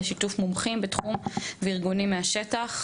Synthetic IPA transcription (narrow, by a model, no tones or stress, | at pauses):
ʃitufmumχimbetχumveiʁɡunimːeaʃetaχ